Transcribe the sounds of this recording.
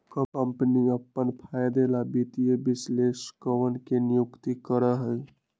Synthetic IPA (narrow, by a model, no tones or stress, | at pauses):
kəəmpəniəpːənpʰajd̪elabit̪ijebisleskəwənkenijukt̪ikəɾəɦəj